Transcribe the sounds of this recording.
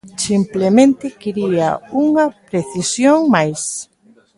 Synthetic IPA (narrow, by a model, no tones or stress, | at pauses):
simplemẽnt̪ɪkiɾia̰uŋɐpɾeθisjoŋmajs